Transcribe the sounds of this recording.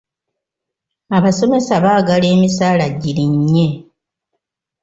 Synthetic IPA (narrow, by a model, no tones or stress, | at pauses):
aβaso̞me̞saβaːɡale̞ːmisaːlaɟiliɲːe̞